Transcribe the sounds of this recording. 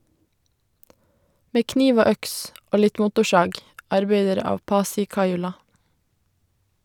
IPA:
ˈmeː ˈkniːʋ ˈoː ˈœks ˈoː ˈlɪt ˈmʊtʊˌʃɑːɡ ɑɾˈbɛdəɾ ˈɑːʋ ˈpɑːsɪ ˈkɑɪʉlɑ

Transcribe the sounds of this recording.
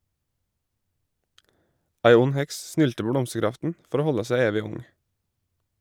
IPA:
ˈæɪ ˈʊn ˈhɛks ˈsnʏltə ˈpoː ˈblɔmsəˌɡɾɑftn̩ ˈfɔɾ ˈoː ˈhɔlə ˈsæ ˈeːʋɪ ˈʊŋ

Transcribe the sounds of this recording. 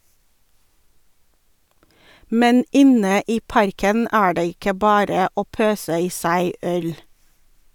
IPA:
ˈmɛn ˈɪnə ˈiː ˈpɑɾkən ˈæː ˈɖeː ˈɪkə ˈbɑːɾə ˈoː ˈpøːsə ˈiː ˈsæɪ ˈœl

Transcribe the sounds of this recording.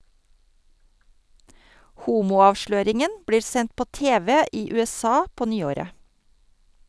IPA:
ˈhuːmuː ˈɑːʋʃløːɾɪŋən ˈbɽiː ˈsɛnt ˈpoː ˈteːʋɛ ˈiː ˌʉːɛˈsɑː ˈpoː ˈnyːoːɾə

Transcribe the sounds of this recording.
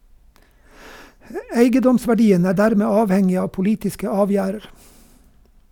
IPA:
ə ˈeɪɡəˌdɔmsʋæˌɖiːən ˈæː ˈdæɾmeː ˈɑːʋˌhɛŋɪ ˈɑː pʊˈliːtɪskə ˈɑːˌʋjæːɾəɾ

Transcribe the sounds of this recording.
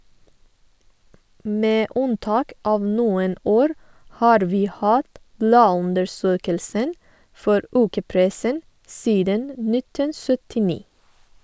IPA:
ˈmeː ˈʉnˌtɑːk ˈʔɑːʋ ˈnuːən ˈoːɾ ˈhɑːɾ ˈʋiː ˈhɑːt ˈblɑːˌʉndəɾˌsøːkəlsən ˈfɔɾ ˈʉːkəˌpɾɛsən ˈsiːdən ə ˈnɪtən ˌsœtɪˈniː

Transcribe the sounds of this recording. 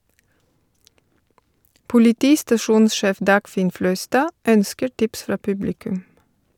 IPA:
pʊlɪˈtiːstɑˌʃuːnsˌʃeːf ˈdɑːɡˌfɪn ˈflœʏˌstɑː ˈœnskəɾ ˈʈɪps ˈfɾɑː ˈpʉblɪkʉm

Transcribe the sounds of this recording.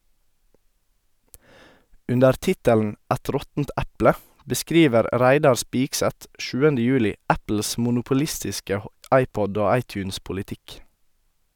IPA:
ˈʉndəɾ ˈtɪtəln̩ ˈɛt ˈɾɔtn̩t ˈɛplə bəˈskɾiːʋəɾ ˈɾæɪdɑɾ ˈspɪksɛt ˈʃʉːənə ˈjʉːlɪ ˈæpl̩s mʊnʊpʊˈlɪstɪskə ˈɑɪˌpɔd ˈoː ˈɑɪˌtjʉːns pʊlɪˈtɪk

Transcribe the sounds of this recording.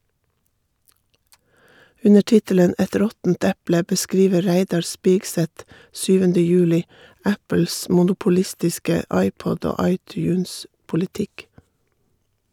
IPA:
ˈʉnə ˈʈɪtələn ˈɛt ˈɾɔtn̩t ˈɛplə bəˈskɾiːʋə ˈɾæɪdɑɾ ˈspiːɡsɛt ˈʃyːʋəndə ˈjʉːlɪ ˈæpl̩s ˌmʊnʊpʊˈlɪstɪskə ˈɑɪˌpɔd ˈoː ˈɑɪˌtjʉːnspʊlɪˌtɪk

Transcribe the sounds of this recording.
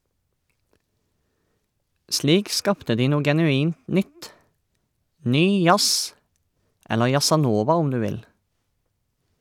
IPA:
ˈsliːk ˈskɑːptə ˈdiː ˈnuː ɡɛnʉˈiːnt ˈnʏt ˈnyː ˈjɑs ˈɛlə jɑsɑˈnoːʋɑ ˈʊm ˈdʉː ˈʋɪl

